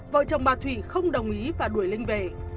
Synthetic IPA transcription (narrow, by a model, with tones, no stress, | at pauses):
və̰ː˧˨t͡ɕə˨˩wŋ͡mɓaː˨˩t̪ʰwḭ˧˩xə˧wŋ͡mɗə˨˩wŋ͡mʔi˨˦vaː˨˩ɗu˧˩əjlï˧ŋ̟ve˨˩